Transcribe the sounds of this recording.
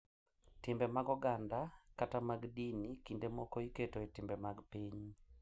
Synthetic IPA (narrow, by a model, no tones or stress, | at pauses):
tɪmbɛmaɡɔɡandakatamaɡdinikindemɔkɔiketɔetɪmbɛmaɡpiɲ